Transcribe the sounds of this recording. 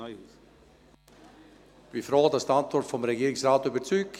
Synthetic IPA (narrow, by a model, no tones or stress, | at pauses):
b̥ifɾoːdɑsdantvɔrtfɔmɾɛɡiːɾɪsraːtybət͡syːk